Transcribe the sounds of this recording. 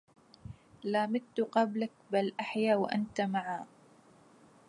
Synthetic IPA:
laːmɪdt̪ːʊqɑblak̚balʔaħjaːwaʔa̰nt̪amaʕaː

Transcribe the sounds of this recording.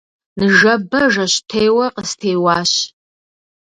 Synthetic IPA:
nɨʒɐbɐʒɐɕtʰejwɐqəstʰeːwɑːɕ

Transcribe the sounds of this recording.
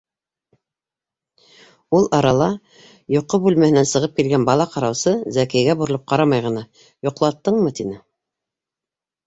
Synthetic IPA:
ulˠɑɾɑlˠɑ | jŏqːobʉlmæhɘ̆nænsɤ̆ʁɤp̚kilɡænbɑlˠɑqɑɾɑwsɤzækæjɡæbuɾɤ̆lˠɤp̚qɑɾɑmɑjʁɤ̆nɑ | jŏqlˠɑt̪ːɤɴmɤt̪inɘ

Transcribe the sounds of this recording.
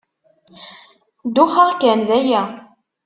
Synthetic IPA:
d̪uχɑʁkænðæjæ

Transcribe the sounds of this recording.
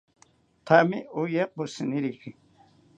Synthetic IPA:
t̪ʰamiujequsiniɾixi

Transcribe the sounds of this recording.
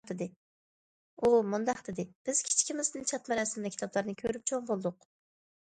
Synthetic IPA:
d̪ɪd̪ɪ | umund̪ɑqd̪ɪd̪ɪb̥ɪz̥kʲʰi̥t͡ʃʰkʲimɪznɨnt͡ʃʰɑt̪mɛɾɛsɪmd̪ɛkʲʰi̥t̪ʰɑplˠɑɾnɨkʲʰøɾyp̚t͡ʃʰoŋbolˠd̪ʊq

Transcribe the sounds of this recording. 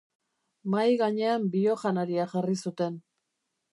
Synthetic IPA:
majɣaɲe̞ambio̞ʝanaɾiaʝarisut̪e̞n

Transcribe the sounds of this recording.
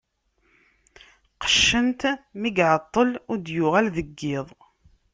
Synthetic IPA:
qə̥ʃːənt̪miɡʕət̪ˤːəlʊɾd̪jʊʁælðəɡːɪðˤ

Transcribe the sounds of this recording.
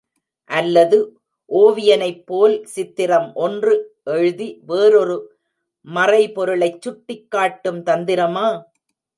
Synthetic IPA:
ʔɐlːɐðɯ | ʔoːʋɪjɐnɐɪpːoːlsɪt̪ːɪɾɐmʔɔndrɯʔɛɻɯðiʋeːɾɔɾɯ | mɐrɐɪpɔɾɯɭɐɪt͡ʃːʊʈːɪkːaːʈːɯmt̪ɐnd̪ɪɾɐmaː

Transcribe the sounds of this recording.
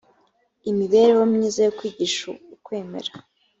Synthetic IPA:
imiβeɾewomɲiːzajokwiːɟiʃo̰ukwe̞ːme̞̰ɾḁ

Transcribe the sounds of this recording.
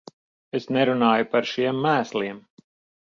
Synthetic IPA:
esnɛɾunaːjupaɾʃiɛmːæːslˠiɛm

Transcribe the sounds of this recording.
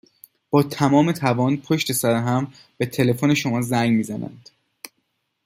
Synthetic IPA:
b̥ɒːt̪ʰæmɒːmet̪ʰævɒːnpʰoʃt̪e̞sæɾeɦæm | b̥e̞t̪ʰe̞le̞fone̞ʃo̞mɒːzæŋɡmiːzænæ̰nd̪̥

